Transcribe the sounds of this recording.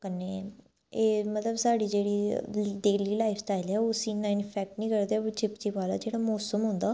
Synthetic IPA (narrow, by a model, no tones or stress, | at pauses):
kəneː | eːmət̪ləbsaːɽiːd͡ʒeːɽiːɖeːliːlaːɪpʰsʈaːɪlɛːoʊsiːnaɪnpʰɛːk̚ʈnĩːkəɾd̪eot͡ʃɪpt͡ʃipaːla̰ːd͡ʒeːɽamɔːsəmɦõːnd̪aː